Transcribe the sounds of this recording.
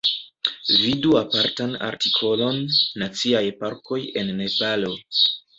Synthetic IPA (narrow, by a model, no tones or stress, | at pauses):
viduapaɾtana̰ɾtikʰo̞lo̞nːat͡siajpaɾkʰo̞je̞nːe̞palo̞